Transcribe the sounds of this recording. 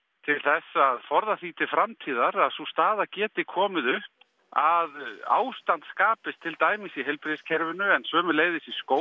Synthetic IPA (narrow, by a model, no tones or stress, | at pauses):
t̪ʰɪlθɛsːaðfɔɾðaθiːt̪ʰɪfɾamt̪ʰiːðaɾaðsust̪aːðacɛːt̪ɪkʰɔːmɪðʏhp | aða̰ːwst̪ant̪skaːpɪst̪ʰːɪlt̪aːjmɪsiɦɛlpɾiscʰɛɾvɪnʏɛnsvœːmʏleːjðɪsiskoː